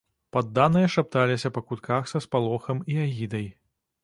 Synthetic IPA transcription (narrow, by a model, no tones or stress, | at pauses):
pad̪ːanɨjɐʂap̚t̪alʲisʲɐpɐkut̪kaxsɐspalˠɔxɐmiaɣʲid̪ɐj